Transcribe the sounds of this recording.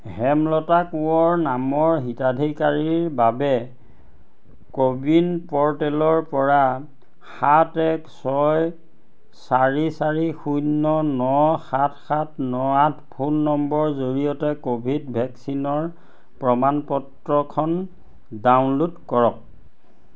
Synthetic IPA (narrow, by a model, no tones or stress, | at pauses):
ɦɛmlɔtakuɔɹnamɔɹɦitadʱikaɹiɹbabɛ | kobinpɔɹtɛlɔɹpɔɹa | xatɛksɔj | saɹisaɹixunːɔnɔxatʰxatnɔatʰpʰunːɔmbɔɹzoɹijɔtɛkobʱidbʱɛksinɔɹ | pɹɔmanpɔtɹɔkʰɔn | dawnlutkɔɹɔk̚